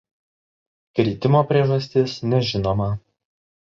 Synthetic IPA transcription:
kɾʲiːt̪ʲɪmoːpʲɾʲieɛʒɐsʲt̪ʲɪsnʲɛʒʲɪnoːmɐ

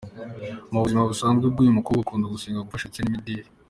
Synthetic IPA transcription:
muβuzimaβusaːnzɡib̚ɡijumukuɡukʰuːnduɡusiːŋɡaɡufaʃat͡senimidiːɾe

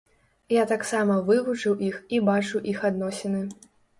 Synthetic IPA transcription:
jat̪aksamɐvɨvut͡ʂɨwʔixibat͡ʂuwʔixad̪nɔsʲɛnɨ

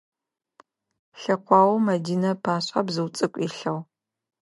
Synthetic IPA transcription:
ɬɐqʷɑːwɐmɐdiːnɐpʰaːɕʼa̰bzɨwt͡sʼɨkʷʼiːɬɐw

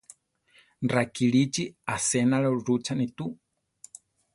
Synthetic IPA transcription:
nrakiɺit͡ʃiasɛnaɺɔɾut͡ʃʰanit̪u

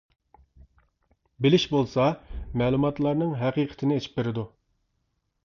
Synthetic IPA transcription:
bɪlɪʃbolˠsɑmɛːlˠumɑt̪lˠɑɾnɨŋɦæqiːqʰə̥t̪ʰɪnɪet͡ʃʰi̥p̚beɾɪd̪u

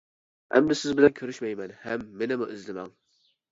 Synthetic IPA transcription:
ɛ̰md̪ɪsɪzbɪlɛnkʲʰøɾyʃmɛjmɛnhɛmːenɪmuʔizlɪmɛ̰ŋ

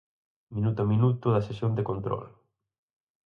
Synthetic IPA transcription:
mĩnut̪ʊɐmĩnut̪ʊðɐsesjond̪ekont̪ɾɔ̰l

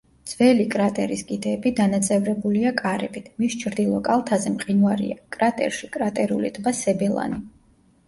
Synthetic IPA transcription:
d̪z̥vɛlikʼɾat̪ʼɛɾiskʼid̪ɛːbid̪anat̪sʼɛvɾɛbuliakʼaɾɛ̰bit̪ʰmist͡ʃʰɾd̪ilˠɔkʼalˠt̪ʰazɛmqʼinvaɾḭakʼɾat̪ʼɛ̰ɾʃikʼɾat̪ʼɛɾṵlid̪ʰbasɛbɛlˠa̰ni

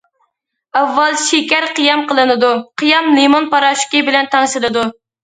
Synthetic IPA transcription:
ɑvːɑlˠʃekʲɛɾqijɑmqəlˠɨnɨd̪uqʰijɑmlˠimonpɑɾɑʃkʲibɪlɛnt̪ʰɑŋʃɨlˠɨd̪u

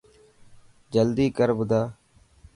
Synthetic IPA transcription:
d͡ʒəld̪iːkəɾbʊd̪aː

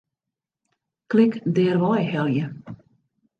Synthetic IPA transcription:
klɪkdɛːrʋɔjɦɛlˠjə

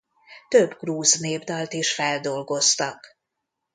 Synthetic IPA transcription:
t̪øbɡruːzneːbd̪ɒlt̪eːʃfɛld̪o̞lɡo̞st̪ɒk

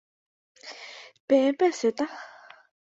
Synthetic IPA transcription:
pɛpɛseːʔt̪a

